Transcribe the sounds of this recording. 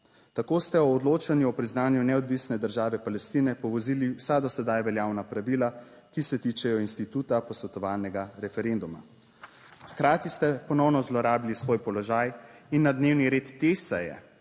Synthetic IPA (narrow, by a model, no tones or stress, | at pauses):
t̪akoːst̪ɛɔːd̪loːt͡ʃanjuɔpɾiznaːnjunɛɔd̪ʋisnɛd̪əɾʒaːʋɛpalɛst̪iːnɛpɔʋɔziliwsad̪ɔsɛd̪ajʋɛljaːwnapɾaʋiːla | kisɛt̪it͡ʃɛjɔinst̪it̪uːt̪apɔsʋɛt̪ɔʋaːlnɛɡaɾɛfɛɾend̪uma̰ | xkɾaːt̪ist̪ɛpɔnɔwnɔzlɔɾaːbilisʋoːjpɔlɔʒajinːad̪neːwniɾeːt̪ːesɛ̰jɛ̰